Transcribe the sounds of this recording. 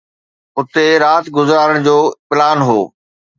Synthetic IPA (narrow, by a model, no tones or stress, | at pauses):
ʊt̪eɾaːt̪ɡʊzɾaːɾəɽ̃d͡ʑoːpɪlaːnɦoː